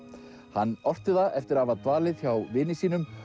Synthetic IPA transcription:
hanːɔr̥t̪ɪðaʔɛft̪ɪɾavat̪vaːlɪðθçjawvɪːnɪsiːnʏm

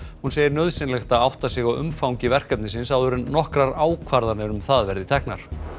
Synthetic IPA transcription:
hunseːjɪɾnœðsɪnlɛxt̪aðawht̪asɪɣawʏ̰mfawŋcɪvɛr̥kɛp̚nɪsɪnsawðʏɾʏnnɔhkɾaɾaːwkʰvaɾðaɾnɪɾʏmθaðvɛɾðɪt̪ʰɛhknaɾ̥

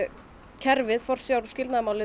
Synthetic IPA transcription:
cʰɛɾvɪðfɔr̥sjawɾscɪlt̪naðmaːwlɪ

